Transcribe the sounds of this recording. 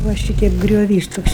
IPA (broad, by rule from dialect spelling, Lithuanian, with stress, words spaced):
ʋɐ ˈʃʲiːtʲɛɪp ɡrʲoːˈʋʲiːs ˈtoːks